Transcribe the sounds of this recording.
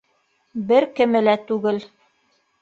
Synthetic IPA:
bɘɾkɘ̆mɘ̆læt̪ʉɡɘl

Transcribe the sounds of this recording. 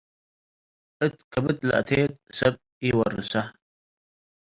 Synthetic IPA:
ʔɨt̪kɐbɨt̪la̰ʔt̪ʰeːt̪̚sɐb̚ | iwɐ̰rːɨ̰sa

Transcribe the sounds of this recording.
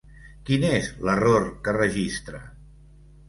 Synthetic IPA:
kinezlərorkərəʒist̪ɾə

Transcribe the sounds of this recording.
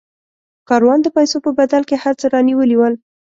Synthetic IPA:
kɑɾwɑnd̪əpajsopəbad̪alkehaɾt͡səɾɑniwəliwəl

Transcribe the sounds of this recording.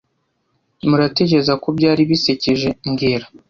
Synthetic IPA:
muɾate̞ceezakobɟaːɾiβiseceʒe̞ŋɡeːɾa

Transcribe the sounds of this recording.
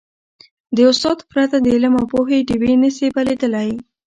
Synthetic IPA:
d̪əʊst̪ɑt̪pɾat̪ad̪əɪlamawpoɦeʈiwinəsepaled̪əlaj

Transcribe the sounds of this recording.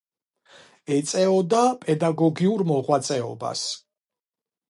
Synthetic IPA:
ɛt̪sʼɛɔd̪apʼɛd̪aɡɔɡiuɾmɔʁwat̪sʼɛɔ̰ba̰s

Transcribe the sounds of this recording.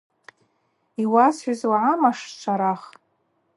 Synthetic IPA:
iwasħʷazwaʕamaʂt͡ʃʷʰaɾaχ

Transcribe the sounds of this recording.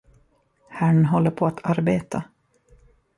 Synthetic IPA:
hæɳɦɔlːəɾpʰɔat̪ʰaɾbeːt̪ʰa

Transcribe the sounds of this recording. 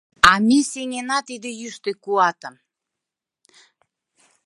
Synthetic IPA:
ɑmʲeseŋʲenɑt̪id̪ejyʃt̪ekuɑt̪əm

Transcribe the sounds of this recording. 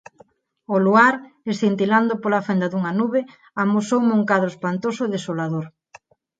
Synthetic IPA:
oluaɾesθint̪iland̪opolafend̪aðuŋanuβe | amosowmuŋkaðoespant̪osʊeðesolaðoɾ

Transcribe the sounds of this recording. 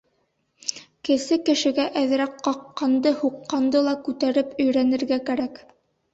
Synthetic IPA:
kɘ̆sɘkɘ̆ʃɘ̆ɡæʔæð̆ɾæqqɑqːɑnd̪ɤhuqːɑnd̪ɤlˠɑkʉt̪æɾɘpɵ̆jɾænɘ̆ɾɡækæɾæk

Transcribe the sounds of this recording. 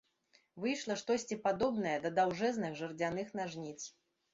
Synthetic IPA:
vɨjʂlˠɐʂt̪ɔsʲt͡sʲipad̪ɔbnɐjɐd̪ɐd̪awʐɛznɨɣʐɨrd͡zʲanɨxnaʐnʲit̪s

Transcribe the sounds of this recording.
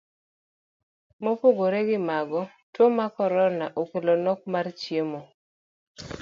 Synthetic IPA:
mopoɡoɾeɡɪmaɡɔ | twomakɔɾɔnaʔokelonɔk̚mart͡ʃjemo

